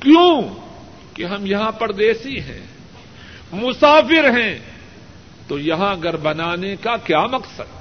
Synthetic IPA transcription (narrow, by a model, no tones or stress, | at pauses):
kjõː | keɦɐmjɐɦãpɐɾd̪eːsiɦɛ̰̃ː | mʊsaːfɪɾɦɛ̃ | t̪ojɐɦãɐɡɐɾbɐnaːnekakjaːmɐksəd̪